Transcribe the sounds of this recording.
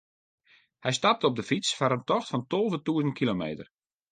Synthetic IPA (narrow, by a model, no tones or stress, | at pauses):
hɛjstap̚təɔb̚dəfit͡sfaɾəntɔxtfɔntolˠvətuəzənt̚kʰilomḛːtər